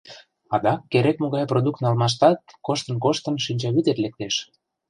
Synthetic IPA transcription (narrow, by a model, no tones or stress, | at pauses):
ɑd̪ɑkːeɾekmoɣɑjprod̪uk̚t̪nɑlmɑʃ̬t̪ɑt̪̚koʃt̪ənkoʃt̪ə̆nʃinʲt͡ɕɑβit̪et̪lek̚t̪eʃ